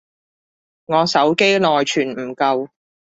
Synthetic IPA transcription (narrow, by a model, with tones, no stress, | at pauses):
ŋɔː˨˧sɐ˨˥wke˥jlɔː˨jt͡ʃʰyː˨˩nm̩˨˩kɐ˧w